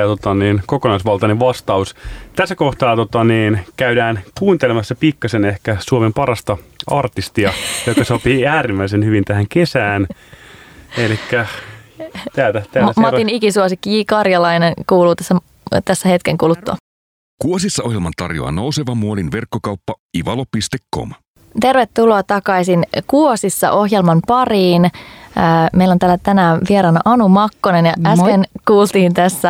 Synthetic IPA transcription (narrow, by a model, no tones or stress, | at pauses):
ɑt̪ot̪ɑniːnkokonɑisʋɑlt̪ɑneʋʋɑst̪ɑust̪æsːæko̞ht̪ɑːt̪ot̪ɑniːnkæydæːnkuːnt̪elemɑsːɑpikːɑsenehkæsuomempɑɾɑst̪ɑɑrt̪ist̪iɑjokːɑsɑpiːæːɾimːæis̬enhyʋint̪æhæŋke̞sæːn | elikːæ | t̪æːlt̪æt̪æːsmɑt̪inikisuosikːiikɑrjɑlɑinenkuːluːt̪æsːæ | t̪æsːæhet̪keŋkulut̪ːo̰ | kuosisːɑʔohjelmɑnt̪ɑ̰rjo̰ɑ̰nowseʋɑmːuolinʋerkːokɑupːɑiʋɑlopist̪ekːo̰m | t̪e̞rʋet̪ːuloɑt̪ɑkɑisinkuosisːɑ̰ʔo̞hjelmɑmpɑriːnəːmeilːont̪æːlæt̪ænæʋieɾɑːnɑʔɑnumɑkːonenjɑæspenkuːlt̪iːnt̪æsːæ